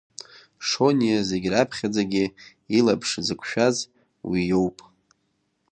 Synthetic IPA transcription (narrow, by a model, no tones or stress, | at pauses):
ʂo̞nijaze̞ɡʲrapʰχʲad͡zaɡʲɪ | ilapʰʂd͡zɨkʷʰʃᶣaz | wijo̞wpʼ